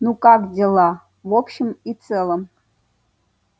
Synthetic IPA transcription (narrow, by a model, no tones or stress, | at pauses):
nukʼakdʲelˠa | vopɕɪmit͡sʰʼɛlˠəm